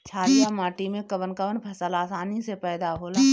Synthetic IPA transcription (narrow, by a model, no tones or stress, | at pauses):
t͡ʃʰaːlijamaːʈimẽkəbənkəbənpʰɐsəlaːsaːnisepɛːd̪aɦoːlaː